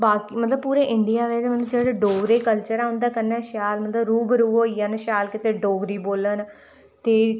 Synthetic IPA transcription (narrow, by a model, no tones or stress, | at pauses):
baːkiːmət̪ləb̚puːɾeːʔɪɳɖɪjaːʋɛːd͡ʒmət̪ləbd͡ʒeːɽeɖoːɡd̪eːkəlt͡ʃəɾaːʊ̃nd̪aːkənɛ̃ːʃaːlmət̪ləbɾuːbəɾuːoːiːaːnʃaːlkɪt̪eːɖoːɡd̪iːboːlən | t̪eː